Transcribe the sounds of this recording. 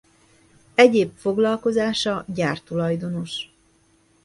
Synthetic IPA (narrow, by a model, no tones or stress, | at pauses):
ɛɟeːpfo̞ɡlɒlko̞zaːʃɒɟaːrt̪ulɒjd̪o̞no̞ʃ